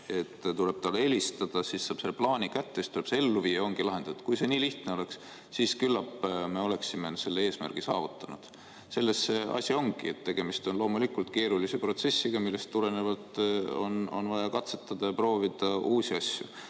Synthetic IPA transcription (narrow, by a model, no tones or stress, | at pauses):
e̞t̪ːt̪ule̞b̥t̪ɑleelʲist̪ɑd̪̥ɑsisːɑːb̥se̞lːeplɑːnʲikæt̪ːest̪uleb̥see̞lːuviːjːɑo̞ŋɡ̥ilɑɦe̞nd̪̥ɑt̪kujse̞niːliht̪ne̞o̞le̞ks | siːskylːɑpːme̞o̞le̞ksimense̞lːe̞e̞ːsmæ̰rɡ̥isɑ̰ːvut̪ːˑɑnṵd̪̥ | se̞lːe̞sːe̞ʔɑ̰sʲio̞ŋɡiet̪ːe̞ɡ̥e̞mist̪o̞nlo̞ːmulikult̪ke̞ːɾulisepro̞t̪se̞sʲːiɡ̥ɑmilːe̞st̪t̪ːuɾe̞ne̞vɑt̪o̰no̞̰nvɑjɑkɑt̪se̞t̪ˑːɑd̪̥ɑjɑpro̞ːvid̪̥ɑuːsiɑsʲjṵ